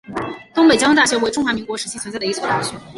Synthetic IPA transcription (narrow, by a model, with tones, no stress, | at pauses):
t̪ʊ˥ŋpe˨˩ɪt͡ɕɑ˥ŋ˥t̪a˥˩ɕɥɛ˧˥wɪʈ͡ʂʊ˥˩ŋxwa˧˥mi˧˥ŋkwɔ˧˥ʂɻ̩˧˥t͡ɕʰi˧˥t͡sʰwə˧˥t͡sɪdə˩i˥˩t͡sʰt̪a̰˥˩ɕɥɛ˧˥